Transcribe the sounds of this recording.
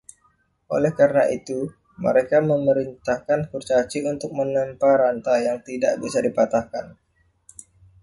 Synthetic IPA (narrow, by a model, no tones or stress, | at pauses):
ʔo̰lɛhkaɾənaʔit̪u | mə̰ɾekaməməɾint̪ahkankurt͡ʃat͡ʃiunt̪ʊk̚mənəmpaɾant̪ajaŋt̪ida̰ʔbisadipat̪ahkan